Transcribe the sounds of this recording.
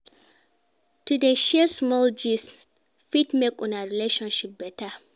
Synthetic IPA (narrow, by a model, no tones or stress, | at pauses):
tudeʃɛsmɔld͡ʒis | fitmekʼːʊnaɹileʃɔ̃nʃip̚bɛta